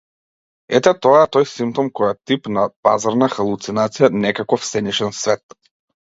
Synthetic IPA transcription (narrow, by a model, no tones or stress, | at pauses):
ɛt̪ɛt̪ɔat̪ɔjsimp̚t̪ɔmkɔjat̪ipnapazaɾnaxalˠut̪sinat̪sijanɛkakɔfsɛniʃɛnsvɛt̪